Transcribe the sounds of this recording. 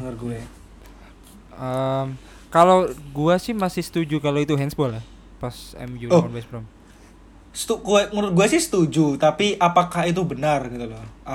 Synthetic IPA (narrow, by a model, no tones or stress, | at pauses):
ənarɡuɛ | ʔəm | kaloɡuasɪhmasɪhsə̥t̪ud͡ʒukaloit̪uɦɛnsbɔlɛ | pasɛ̰mjuoɔnbɛsbɾɔm | sə̥t̪ukuɛmuʊɡuɛsɪhsə̥t̪ud͡ʒut̪apiʔapakaɦit̪̬ubənarɡit̪ulɔa